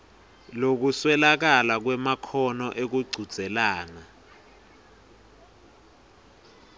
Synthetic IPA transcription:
lok̬uswɛlak̬alak̬wɛmakʰɔnɔʔek̬uɡ͡ǀʱud̥z̥ʱɛlaːna

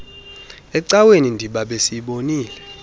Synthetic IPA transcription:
ɛǀawenindʱiɓaɓesiɓoniːlɛ

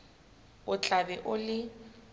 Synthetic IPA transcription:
ʊt͡ɬʼabɛʔʊlɪ

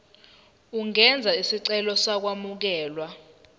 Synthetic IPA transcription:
uŋɛnd͡zʱaisiǀɛlɔsak̬wamuk̬ɛːlwa

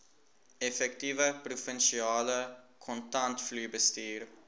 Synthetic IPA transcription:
ɛfɛktivəprufənʃiɑːlə | kʰɔntɐntflybəstiːr

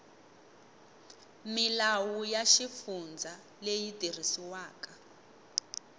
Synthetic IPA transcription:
milawujaʃifund͡zʱa | lejidir̤isiwaːka

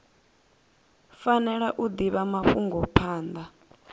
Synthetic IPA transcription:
fanɛɺaʔud̪iβamaɸuŋɡɔpʰaːnd̪a

